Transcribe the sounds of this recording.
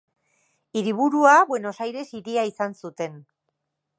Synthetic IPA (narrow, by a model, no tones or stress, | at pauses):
iɾiβ̞uɾuaβwe̞nosajɾe̞siɾiaisansut̪e̞n